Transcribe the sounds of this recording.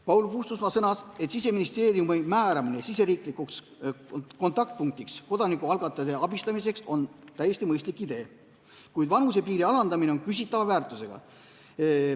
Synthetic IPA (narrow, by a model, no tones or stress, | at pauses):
pɑwlukust̪usmɑsɤnɑse̞t̪sise̞minist̪e̞ːɾiumimæːɾɑminesise̞ɾiːkˑlikuks | ko̞nt̪ːˑɑk̚t̪̚puŋk̚t̪iksko̞d̪̥ɑnikːˑuɑlɡ̥ɑt̪ːˑɑd̪e̞ɑb̥ist̪ɑmis̬e̞kso̞nt̪æjːe̞sʲt̪imɤjst̪likːˑid̪̥e̞ː | kujd̪vɑnus̬e̞piːɾiɑlɑnd̪ɑmine̞onkys̬ʲit̪ːˑɑvɑvæːrt̪ˑuse̞ɡ̥ɑ̰